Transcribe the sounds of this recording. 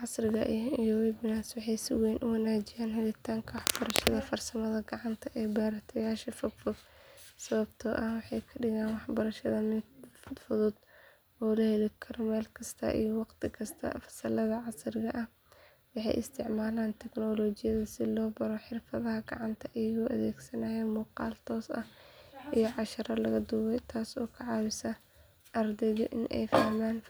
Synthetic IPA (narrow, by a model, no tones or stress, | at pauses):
ʕɑsrɪɣɐʔɪijɔwɛbnaːswɑħɑjsɪwɛːnʔʊwɐnaːt͡ʃɪjaːnɦʊlɪt̪ʰaːŋkʰɐwɑħb̥ɐɾɐʃɐðɐfɐrsɐmɐðɐɡɐʕɑnt̪ʰɐʔɛːbaːɾɐt̪ʰɛjaːʃɐfʊd̪fʊɡsɐβɐbt̪ʰɔːʔɐhwɑħɑjkʰɐɖɪɣaːnwɑħbɐɾɐʃɐðɐmfʊd̪fʊðʊd̪ | ɔːlɐhɛlɪkʰɐrmɛːlkʰɐst̪ʰɐ̰ʔḭjɔwɑqt̪ʰɪkʰɐst̪ʰɐ̰fɐ̥sɐlɐðɐʕɑsrɪɣɐʔɐh | wɑħɑ̰jʔɪ̰st̪ʰɪʕmaːlaːnt̪ʰɛɡnɔːlɔːt͡ʃɪjɐðɐsɪlɔːbɐɾɔħɪrfɐðɐɦɐɡɑʕɑnt̪ʰɐʔɪjɐɣɔːʔɐðɛːɡsɐnajɛmuːqɑ̰ːlt̪ʰɔːsɐ̰hʔijɔʕɑʃɐɾɐlɐɣɐd̪uːwɛjt̪ʰaːsɔːkʰɐʕɑːwɪsɐ | ʔɐrd̪ɛɣɔ̰ʔɪnʔɛ̰jfahmaːn